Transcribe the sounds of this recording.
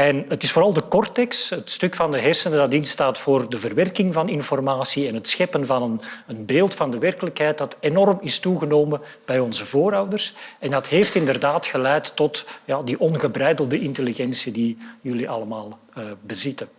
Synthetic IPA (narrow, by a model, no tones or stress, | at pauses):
ɛnətɪsfoːɾɑlˠdəkɔrtɛkstətstɵkfɑndəɦɛrsənədɑtɪnstaːtfoːrdəvərʋɛrkɪŋvɑnɪnfɔrmaːsiɛnɦətsxɛpənvɑnənənbeːlˠtfɑndəʋɛrkələkɦɛjt̚d̥ɑtenɔrmɪstuɣənoːmə | b̥ɛjɔnzəvoːɾɑwdərsɛndɑtɦeːftɪndərdaːtxəlɛjtːɔtjaːdiʔɔnɣəbrɛjdəlˠdəʔɪnteliɣɛnsidijɵliʔɑləmaːlˠ | əbəzɪtən